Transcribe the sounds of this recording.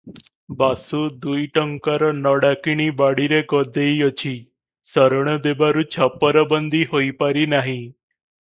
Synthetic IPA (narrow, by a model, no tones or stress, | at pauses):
basud̪ujʈəŋkaɾɔnɔɽakiɳibaɽiɾekɔd̪eijət͡ɕʰiː | səɾɳ̃əd̪ebaɾut͡ɕʰapəɾəbənd̪ʱiːɦoipaɾiːnaɦĩ